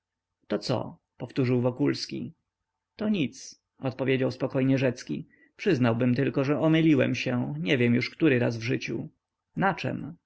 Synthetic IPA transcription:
t̪ɔt̪sɔ̰ | pɔft̪uʐɘwvɔkulskʲḭ | t̪ɔɲit̪s | ɔt̪̚pɔvʲed͡ʑawspɔkɔjɲɛʐɛt̪skʲḭ | pʂɘznawbɘmt̪ɘlkɔʐɛʔɔmɘlʲiwɛ̰mɕɛɲɛvʲjɛmjuʂkt̪uɾɘɾa̰zvʐɘt͡ɕṵ | nat͡ʂɛ̰m

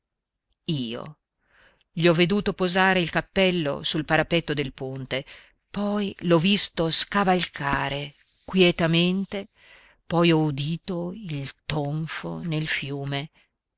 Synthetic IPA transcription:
iːo̰ | ʎiɔvːed̪uːt̪opozaːɾeilkapːɛlːo̰sulpaɾapɛt̪ːod̪elpont̪e | pɔjlɔvːist̪oskavalkʰaːɾe | kwjɛt̪ament̪e | pɔjɔud̪iːt̪oilt̪oɱfo̰nelfjuːme

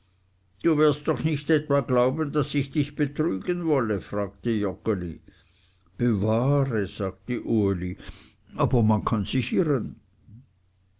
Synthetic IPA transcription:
d̥uːvɪɐst̚d̥ɔχnɪçtɛtvaːɡlaʊbənd̥asɪçd̥ɪçb̥ət̪ʁyːɡənvɔləfʁaːk̚təjɔkəli | b̥evaːʁəz̥aːɡ̚təʔuəli | aːbɐmankʰanz̥ɪçɪʁən

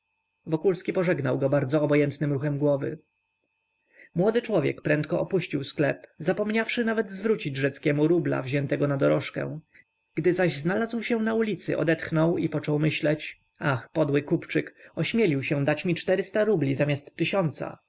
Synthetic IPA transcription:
vɔkulskʲipɔʐɛɡnawɡɔbaɾd̪zɔːbɔjɛnt̪nɘmɾuxɛmɡwɔvɘ̰ | mwɔd̪ɘt͡ʂwɔvʲjɛ̰kpɾɛnt̪̚kɔʔɔpuɕt͡ɕiwsklɛpzapɔmɲafʂɘnavɛd̪zvɾut͡ɕid͡ʑʐɛt̪skʲɛmuɾubla̰vʑɛnt̪ɛɡɔnad̪ɔɾɔʂkɛ̰̃w̃ | ɡ̥d̪ɘzaʑznalazwɕɛw̃naulʲit̪sɘ̰ʔɔ̰d̪ɛt̪xnɔwipɔt͡ʂɔwmɘɕlɛt͡ɕ | axpɔd̪wɘkupt͡ʂɘkɔɕmʲjɛlʲiwɕɛ̃d̪at͡ɕmʲit͡ʂt̪ɛɾɘst̪aɾublʲizamʲjast̪ːɘɕɔnt̪sa̰

